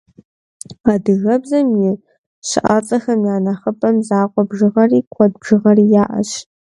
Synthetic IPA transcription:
adɨɣɐbzɐmjɪ | ɕɪ̰ʔa̰t͡sʼɐxɐmjaːnɐχɐpʰʼɐmzaːqʷʼɔbʒɨʁɐriːkʷʰɔd̚bʒɨʁɐriːjaːʔɐ̰ɕ

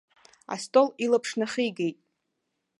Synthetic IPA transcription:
a̰stʼolilapʰʂnaχijɡejtʼ

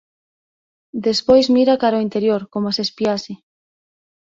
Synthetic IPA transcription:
d̪espojzmiɾakaɾoint̪eɾjoɾkomasespiasɪ

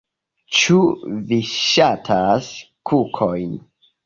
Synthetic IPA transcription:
t͡ʃuviʃatʰas | kʰukʰojn

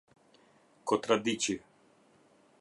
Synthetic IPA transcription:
kɔt̪ɾad̪it͡ʃi

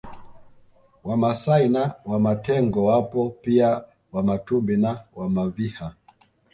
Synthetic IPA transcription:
wamasainawamatɛŋɡɔwapɔpia | wamatumbinawamaviha

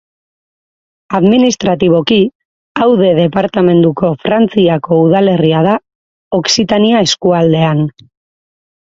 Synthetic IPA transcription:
aðminist̪ɾat̪iβ̞o̞ki | awðe̞ðe̞paɾt̪ame̞nd̪uko̞fɾant͡siako̞uðale̞riað̞a | o̞ksit̪aniae̞skuald̪e̞an

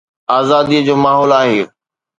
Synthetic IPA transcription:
aːzaːd̪iəd͡ʑoːmaːɦɔːlaːɦeː

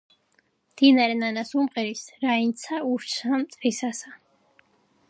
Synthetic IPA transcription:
md̪̥inaɾɛnanasumqʼɛɾisɾaint̪sʰauɾt͡ʃʰamt̪ʼvisasa

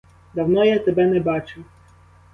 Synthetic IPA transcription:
d̪ɐwnɔjat̪ɛbɛnɛbɑt͡ʃɪw

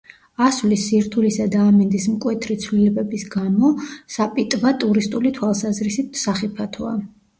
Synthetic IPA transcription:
asvlisːiɾt̪ʰulisad̪aːmɛnd̪ismkʼwɛt̪ʰɾit̪sʰvlilɛbɛbisɡamɔsapʼit̪ʼvat̪ʼuɾist̪ʼulit̪ʰwalˠsazɾisit̪saχipʰat̪ʰɔa

